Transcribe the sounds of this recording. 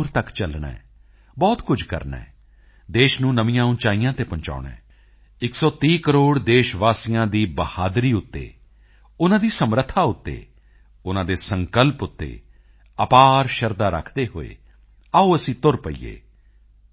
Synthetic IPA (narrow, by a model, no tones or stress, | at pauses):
ɾt̪əkt͡ʃəlɳɛ̰ː | bɔːt̪kʊd͡ʒʱkə̰ɾnɛ̰ː | d̪eːʃnũːnəʋɪjãːʊnt͡ʃaːijãːt̪eːpəɲt͡ʃa̰ːʊɳɛ̰̃ː | ɪksɔːt̪iːkəɾoːɽd̪eːʃʋaːsijãːd̪iːbəhaːd̪ɾiːʊt̪ːḛː | ʊnãːd̪iːsəmɾət̪ʰːaːʊt̪ːḛː | ʊnãːd̪eːsəŋkəlpʊt̪ːḛː | əpaːɾʃəɾd̪aːɾə̰kʰd̪eːɦo̰ːḛː | auːəsĩːt̪ʊɾpəḭːḛː